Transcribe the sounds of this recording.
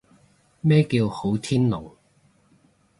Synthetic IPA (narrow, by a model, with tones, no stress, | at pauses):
mɛː˥kiː˧who˨˥wt̪ʰiː˥nlo̰˨w